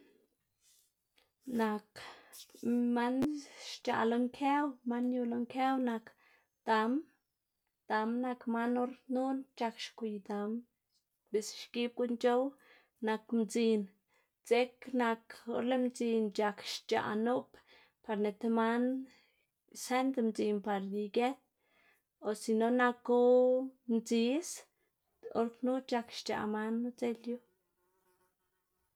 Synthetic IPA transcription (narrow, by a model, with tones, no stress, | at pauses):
na˧k | ma˦nʃt͡ʃa̰˨ʔlo˧ŋkʰe˦wma˦nju˧lo˧ŋke˦wna˧k | d̪̥a˨m | d̪̥a˨mna˧kma˦no˦ɾnu˦nt͡ʃa˧kʃkʷu˨jd̪a˨m | be˨sʃki˦b̚ku˦nt͡ʃo˦w | na˧kmt͡si˧n | t͡se˦kna˧ko˦ɾle˦md͡zi˧nt͡ʃa˧kʃt͡ʃa̰˨nu˦p | pa˧ɾne˨t̪ma˦n | se˦nd̪mt͡si˧mpa˧ɾd̪i˧ɡe˦t̪ | o˨si˧no˧na˧ko˦mt͡si˧s | o̰˦ɾknu˦t͡ʃa˧kʃt͡ʃa̰˧ma˧˦nːu˦t͡se˦lju˦